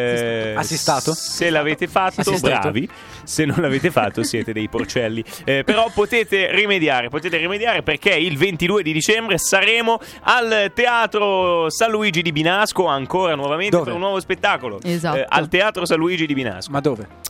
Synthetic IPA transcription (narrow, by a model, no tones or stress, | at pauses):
asist̪at̪oselːaveːt̪efat̪ːobɾa̰ːvi | senːõnlaveːt̪efa̰t̪ːosjɛːt̪ed̪ɛjport͡ʃɛlːipeɾɔpːot̪eːt̪erimed̪jaːɾepot̪eːt̪eɾimed̪jaːɾeperk̟eilvent̪id̪uːed̪id̪it͡ʃɛmbɾesaɾɛːmo | alt̪eaːt̪ɾosanluiːd͡ʒid̪ibinaskoaŋkoːɾanwɔvamend̪epeɾunːwɔːvospet̪ːaːkoloa̰lt̪eaːt̪ɾosaluiːd͡ʒid̪ibina̰skmad̪oːve